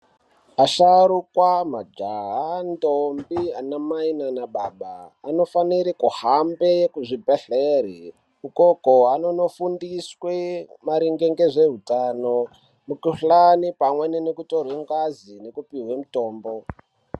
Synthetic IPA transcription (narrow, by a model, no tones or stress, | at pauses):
aʃaɾukwamad͡ʒaɦandombianamainanaɓaɓaːno̞faniɾikuhambekuʐibʱeɬeri | ukokoano̞no̞fundiswemaɾiŋɡe̞ŋɡe̞ʐe̞ɦutano | mukuɬanipamweninekuto̞rwe̞ŋɡazine̞kupiɦwemuto̞ːmbo̞